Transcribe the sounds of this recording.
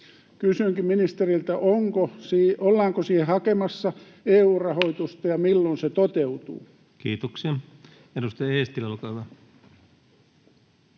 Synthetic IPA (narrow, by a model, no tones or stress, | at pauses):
kysyŋkimminist̪erilt̪æʔoŋkosiːolːɑːŋkosiːhehɑkemɑsːɑ | eːuːrɑhoit̪ust̪ɑjɑmilːonset̪ot̪eut̪ṵː | kiːt̪oksiɑ | edust̪ɑjɑeːst̪ilɑlkɑʋɑ